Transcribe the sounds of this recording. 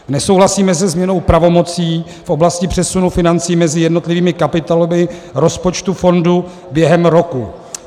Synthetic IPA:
nɛsowɦlasiːmɛs̬ɛzmɲɛno̞wpɾavo̞mo̞t͡siː | fʔo̞blascɪpr̝̥ɛsunufɪnant͡siːmɛzɪjɛdno̞t̪lɪviːmɪkapɪt̪alomɪɾo̞spo̞t͡ʃt̪ufo̞ndu | bjɛɦɛmɾo̞ku

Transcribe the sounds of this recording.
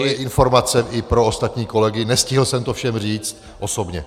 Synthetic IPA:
ojɛʔɪnfo̞ɾmat͡sɛʔɪpɾo̞ost̪at̪ɲiːko̞lɛɡɪnɛscɪɦl̩sɛmt̪ofʃɛmr̝iːt͡st̪ | ʔoso̞bɲɛ

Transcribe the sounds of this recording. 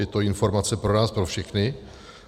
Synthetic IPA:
ɛt̪o̞ɪnfo̞ɾmat͡sɛpɾonaːspɾo̞fʃɛxnɪ

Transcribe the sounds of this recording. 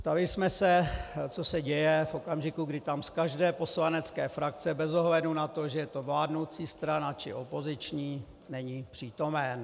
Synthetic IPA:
st̪alɪsmɛsɛt͡so̞sɛɟɛjɛfʔo̞kamʒɪkuɡdɪt̪amskaʒdɛːpo̞slanɛt͡skɛːfɾak̚t͡sɛbɛzo̞ɦlɛdnunat̪o̞ʒɛjɛt̪o̞vlaːdnowt͡siːst̪ɾanat͡ʃɪ̰ʔo̞po̞zɪt͡ʃɲiː | nɛɲipr̝̥iːt̪o̞mɛn

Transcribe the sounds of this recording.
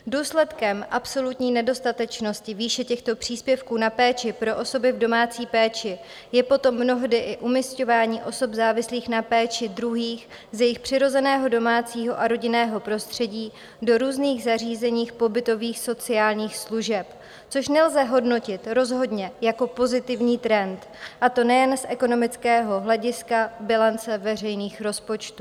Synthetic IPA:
duːslɛt̪kɛmʔapso̞lut̪ɲiːnɛdo̞st̪at̪ɛt͡ʃno̞scɪviːʃɛcɛxt̪o̞pr̝̥iːspjɛfkuːnapɛːt͡ʃɪpɾo̞ʔo̞so̞bɪvdo̞maːt͡siːpɛːt͡ʃɪ | jɛpo̞t̪o̞mːno̞ɦdɪʔɪʔumisco̞vaːɲiːʔo̞so̞bzaːvɪsliːxnapɛːt͡ʃɪdɾuɦiːx | zjɛjɪxpr̥ɪɾo̞zɛnɛːɦo̞do̞maːt͡siːɦo̞ʔaɾo̞ɟɪnɛːɦo̞pɾo̞st̪r̥ɛɟiː | do̞ɾuːzniːɣzar̝iːzɛɲiːxpo̞bɪt̪o̞viːxso̞t͡sɪaːlɲiːxsluʒɛp | t͡so̞ʃnɛlzɛɦo̞dno̞cɪt̪ɾo̞zɦo̞dɲɛjako̞po̞zɪt̪ɪvɲiːt̪ɾɛnt̪ | ʔat̪o̞nɛjɛnsʔɛko̞no̞mɪt͡skɛːɦo̞ɦlɛɟɪskabɪlant͡sɛvɛr̝ɛjniːxɾo̞spo̞t͡ʃt̪uː

